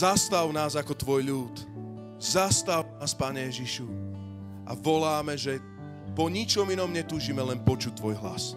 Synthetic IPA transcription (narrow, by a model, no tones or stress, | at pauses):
zast̪awnaːzakɔt̪ʋɔjʎuːt̪ | zast̪anaːspaːɲɛjɛʒiʃu | ʔaʋɔlaːmɛʒɛ | pɔɲit͡ʃɔminɔmɲɛt̪uːʒimɛlɛnpɔt͡ʃut̚t̪ːʋɔjɦla̰s